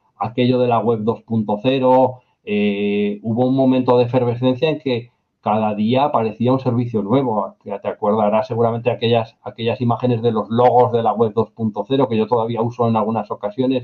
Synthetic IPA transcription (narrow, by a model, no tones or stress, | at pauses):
ake̞ʎo̞ðe̞laɣwe̞βðo̞spunt̪o̞θe̞ɾo̞ | euβo̞uŋmõ̞mẽnt̪o̞ð̞efe̞ɾβe̞θẽ̞n̟θjaeŋke̞ | kaðaðiapaɾe̞θiaunse̞ɾβ̞iθjonwe̞β̞o̞t̪eakwe̞ɾðaɾasːe̞ɣ̞uɾament̪eake̞ʎasake̞ʎasimaxe̞ne̞zðe̞lo̞zlo̞ɣ̞o̞zðe̞laɣwe̞β̚ðo̞spunt̪o̞θe̞ɾo̞ke̞ʝo̞t̪o̞ðaβ̞iauso̞enalɣunaso̞kasjo̞ne̞s